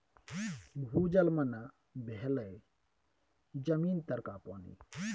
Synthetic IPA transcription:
bʱuːd͡ʒɐlmɐna | bʱeɦləj | d͡ʒɐmiːnt̪ɐɾkapɔːnḭ

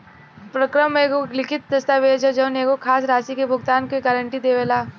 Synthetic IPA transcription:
pɾɐkɾəmeːɡolɪkʰɪt̪̚d̪ɐst̪aːʋeːd͡ʒɐd͡ʒɐʊneːɡokʰaːs̬ɾaːsikebʱʊɡt̪aːnkoɡaːɾəɳʈid̪eːʋelaː

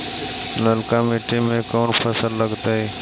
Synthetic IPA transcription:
ləlkameʈimẽkɔːnpʰəsəlːəɡt̪aɦiː

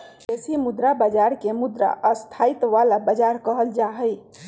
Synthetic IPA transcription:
esimud̪ɾabəd͡ʒaɾkemud̪ɾa̰ʔəst̪ʰait̪ʋalabəd͡ʒaɾkəɦəld͡ʒaɦəj

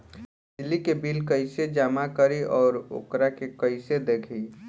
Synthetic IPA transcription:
d̪ɪlːikebilkəɪsed͡ʒamakəɾiʔɔːɾo̰ːkɾakekəɪsed̪ekʰi

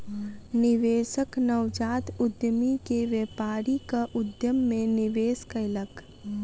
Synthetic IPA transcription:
nɪʋeːʃəknəwd͡ʒaːt̪ʊd̪jəmikeʋjeːpaːɾikaʔʊd̪jəmːẽnɪʋeːskəɪlək

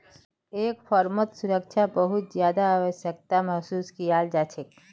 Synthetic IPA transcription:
eːkpʰɔːɾmət̪sʊɾək̚t͡ʃʰabəɦʊt̪zjaːd̪aːʋəʃjək̚t̪aməɦsuːskijaːld͡ʒaːt͡ʃʰek

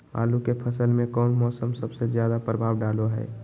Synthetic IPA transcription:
a̰ːlukepʰəsəlmẽkɔːnmɔːsəmsəbsezjaːd̪apɾəbʱaːʋɖaːloɦɛ̰ː

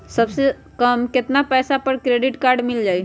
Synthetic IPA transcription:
səbse | kəmkɪt̪napɛːsapəɾkɾeːɖɪʈkaːɾɖmɪld͡ʒaːi

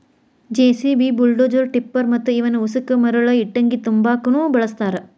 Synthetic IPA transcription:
d͡ʒeːsibiːbuɭɖoːd͡ʒɐɾʈipːɐɾmɐt̪ːuiʋɐnuusukɐmɐɾuɭɐiʈːɐŋɡit̪umbaːkunuːbɐɭɐst̪aːɾɐ

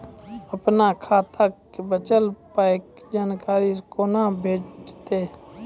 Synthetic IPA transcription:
əpnakʰaːt̪ʰakbət͡ʃəlpaːɪkd͡ʒaːnkaːɾikonabʱeːd͡ʒt̪e

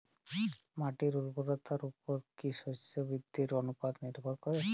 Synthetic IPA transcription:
maʈiɾuɾbʱoɾot̪aɾupoɾkiʃot͡ʃʰobid̪ʱːiɾonupad̪niɾbʱoɾkoɾe

